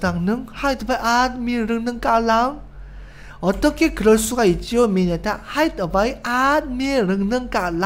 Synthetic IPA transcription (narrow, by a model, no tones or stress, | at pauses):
t̪aŋnɨŋhajt̪ʰʋəjʔaːt̪̚miənrɨŋnɨŋkaːlaəŋ | ɦɔt̪əkeːkɾəswajt͡ɕiəminat̪ʰaʔhajt̪əʋəjʔaːt̪̚miənrɨŋnɨŋkaːl